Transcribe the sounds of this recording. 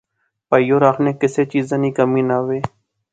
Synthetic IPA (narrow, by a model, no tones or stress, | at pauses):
pəijoːɾaːkʰnẽːkɪseːt͡ʃiːzãːnĩːkəmĩːnaːʋeː